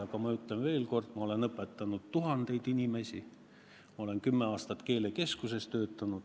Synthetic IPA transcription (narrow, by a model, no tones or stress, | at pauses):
ɑkɑmɑyt̪ˑlenve̞ːlko̞rd̪̥mɑo̞le̞nɤpːˑet̪ːˑɑnud̪̥t̪uɦɑnd̪̥e̞jd̪inʲime̞sʲi | mɑo̞le̞nkymːeɑːst̪ɑt̪ke̞ːle̞ke̞skuse̞st̪øːt̪ːˑɑnud̥̪